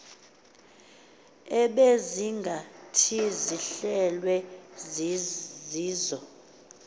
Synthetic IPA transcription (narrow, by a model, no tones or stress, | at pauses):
ɛɓeziŋɡʱatʰiziɬɛlwɛ | ziːzɔ